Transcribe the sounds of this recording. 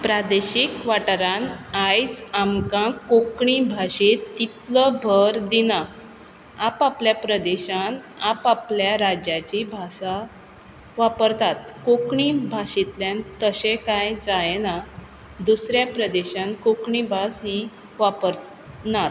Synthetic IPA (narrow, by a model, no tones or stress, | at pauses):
pɾad̪eɕikʋaʈɾanajt͡samkãkokɳibʱaɕet̪it̪ləbʱəɾd̪ina | apapljapɾəd̪eɕan | apapljaɾad͡ʑjat͡ɕibʱasa | ʋapəɾt̪at̪kokɳibʱaɕit̪ljãnt̪əɕẽkajd͡zajna | d̪usɾjapɾəd̪eɕãnkokɳibʱasɦi | ʋapəɾ | nat